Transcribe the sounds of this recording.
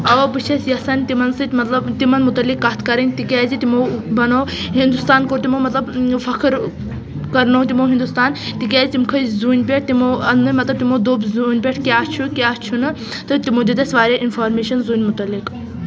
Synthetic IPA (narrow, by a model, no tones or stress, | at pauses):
ɐʋɐpɨt͡ʃʰɐsjɐsɐnʲt̪imɐnsɨt̪mɐt̪lɐbt̪imɐnmut̪ɐlːikːɐt̪ʰkɐɾɐnʲt̪ikʲɛːzit̪imobɐnoːɦind̪ust̪aːnkoːɾt̪imoːmɐt̪lɐbfɐkʰɨɾ | kɐɾnõt̪imoːɦind̪ust̪aːnt̪ikʲɛːzit̪imkʰɐzuːnʲpʲeʈ̚ʰt̪imoɐnɨmɐt̪lɐb̚t̪imoːd̪oːbzuːnʲpʲeʈʰkʲaːt͡ʃʰukʲaːt͡ʃʰunɨ | t̪ɨt̪imoːd̪id̪ɐsʋaːɾʲɐʔinfaːɾmeːʃɐnzuːnʲmut̪ɐlːik